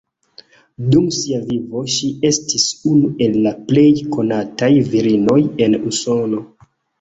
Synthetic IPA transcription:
dumsiavivo̞ʃie̞stisunue̞lːaple̞jko̞natajviɾino̞je̞nuso̞no̞

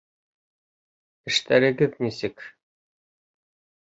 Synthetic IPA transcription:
ɘ̆ʃt̪æɾɘ̆ɡɘðnʲisɘk

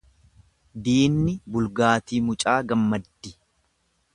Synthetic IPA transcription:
d̪iːnːɪbʊlɡaːt̪iːmʊt͡ʃʼaːɡɐmːɐd̪ːɪ

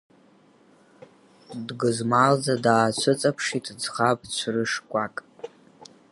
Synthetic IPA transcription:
dɡɨzmald͡zadaːt͡ɕʷʰɨt͡sʼapʰʂitʰʼd͡zχapʼt͡ɕʷʰrɨʂkʷʼakʼ

